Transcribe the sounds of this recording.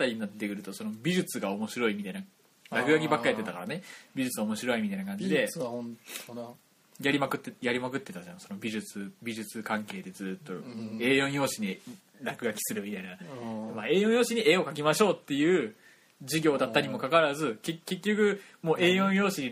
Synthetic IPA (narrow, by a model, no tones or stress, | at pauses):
t̪ːaɾʲiɲinat̪ːekɯ̟ɾɯ̟t̪o̞so̞no̞bʲiʑɨt͡sɨɡao̞mo̞ɕiɾo̞imʲit̪aina | ɾakɯ̟ɡak̬ʲibakːaɾet̪et̪akaɾane̞bʲiʑɨt͡sɨaomo̞ɕiɾo̞imit̪ainakãɲ̟d͡ʑid̪e̞ | jaɾʲimakɯ̟jaɾʲimakɯ̟t̪ːe̞t̪ad͡ʑanso̞no̞bʲiʑɨt͡sɨbʲiʑɨt͡sɨkãŋke̞ːd̪e̞d͡zɨːt̪ːo̞e̞ːjõɰ̃jo̞ːɕiɲi | ɾakɯ̟ɡakʲi̥sɨɾɯ̟mʲit̪ainamaːe̞ːjõjo̞ːɕiɲ̟ie̞ːo̞kakʲimaɕo̞ːt̪ːe̞jɯ̟ː | d͡ʑiɡʲo̞ːd̪aːaɾʲimo̞kakaɾazɨkeke̞kʲːo̞kɯ̟ | mo̞ːʔe̞ːjõɰ̃jo̞ːɕiɲ̟i